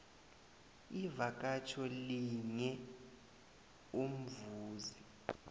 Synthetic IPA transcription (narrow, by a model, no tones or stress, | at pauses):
ivak̬ʼat͡ʃʰɔliɲɛ | um̩vuːzi